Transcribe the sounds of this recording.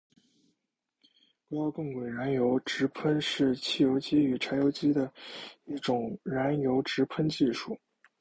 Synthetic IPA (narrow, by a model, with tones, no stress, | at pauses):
pu˨˥jɑ˥˧ʊkɤ˥˩ŋwe˨˩ɪɻa˧˥njo˧˥ʊʈ͡ʂɻ̩˧˥pʰə˥nʂɻ̩˥˧t͡ɕʰi˥˩jo˧˥ʊt͡ɕi˥y˨˩ʈ͡ʂʰa˧˥ɪjo˧˥ʊt͡ɕi˥d̪ə˨i˥˩ʈ͡ʂʊ˨˩ŋɻa˧˥njo˧˥ʊʈ͡ʂɻ̩˧˥pʰə˥nt͡ɕi˥˧ʂu˥˩